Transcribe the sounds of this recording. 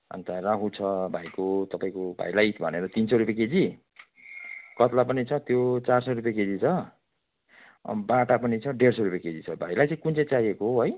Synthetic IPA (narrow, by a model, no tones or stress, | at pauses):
ʌ̰nt̪arakʰũt͡sʰʌbʱajkot̪ʌpaĩkobʱa̰jlajt̪bʱʌ̰neɾʌt̪insʌɾupjaked͡zi | kʌt̪lapʌnit͡sʰʌt̪jot͡sarsʌrup̬jaked͡zit͡sʰʌ | baʈapʌnit͡sʰʌɖeɽsʌɾupjaked͡zit͡sʰʌbʱajlajt͡sʌ̃ĩkunt͡sʌt͡sajekoɦoɦoj